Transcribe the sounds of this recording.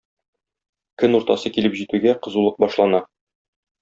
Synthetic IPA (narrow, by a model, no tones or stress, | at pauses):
kɵnuɾt̪ɑsɤkilɘpʑit̪ʉɡæqɤ̆zulˠɤq̚bɒʃlˠɑnɑ